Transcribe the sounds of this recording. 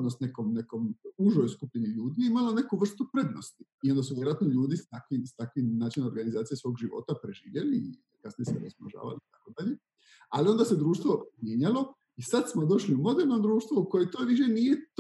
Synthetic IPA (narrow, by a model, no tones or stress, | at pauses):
nosne̞komne̞ko̞muʒojskupʎeniʎuːd̪iimalo̞ne̞kuʋr̩st̪upɾe̞d̪no̞st̪iio̞nd̪asuʋjeɾoat̪noʎuːd̪ist̪akʋist̪akʋinaːt͡ʃinoɾɡanizaːt̪sijesʋo̞ːɡʒiʋo̞̰t̪apɾe̞ʒḭːʋjeli | kasnijeseɾesma̰ʒa̰ːʋa̰liit̪akod̪aʎe̞ | alio̞nd̪ase̞d̪ɾuːʃt̪ʋo̞mjeːɲalo̞ | isad̪smo̞d̪o̞ʃliumo̞d̪e̞ɾno̞d̪ɾuːʃt̪ʋouko̞jet̪o̞ʋiʃenije̞t̪